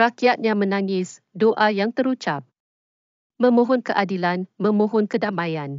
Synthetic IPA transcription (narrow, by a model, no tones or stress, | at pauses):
ɾakiat̪̚ɲãmə̃nãŋɪs | doʔajaŋt̪əɾut͡ʃap̚ | mə̃mũɦʊnkəʔadilanmə̃mũɦʊnkədamãjan